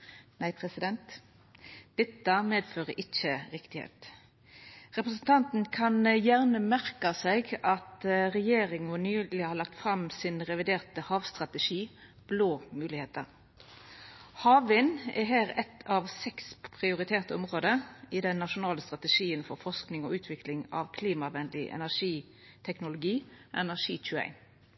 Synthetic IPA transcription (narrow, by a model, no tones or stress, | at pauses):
næɪpʰʁɛsɪd̪ɛnt̪ | d̪̥ɛt̪ːəmeːd̪føːʁəʔɪçəʁɪkt̪ɪhḛːt̪ | ʁɛpɾəsnt̪ʰɑnt̪n̩kʰɑnjæʁnəmæʁkɑsɛɪɡɑt̪ʁɛjeːʁɪŋɔnyːlɪhɑːɾlɑk̚t̪fʁɑmsɪnʁɛʋɪd̪eːʁt̪əhɑːʋst̪ʁɑt̪əʂiː | b̥loːmʉːlɪheːt̪əʁ | hɑːʋɪnɛ̰ɦæːɾɛt̪ʰɑʋsɛkspʰʁɪʊɾɪt̪ʰeːʁt̪əɔmʁoːd̪əɪd̪ɛnːɑʂʊnɑːləst̪ʁɑt̪əʂiːənfɔɾfɔʁsknɪŋɔʔʉːt̪ʰʋɪklɪŋɑ̰ʋkʰliːmɑʋɛnd̪lɪʔɛ̰næʁʂiː | t̪ʰɛknʊlʊɡiːʔɛnæʂiːc͡çʰʉːæ̰ɪn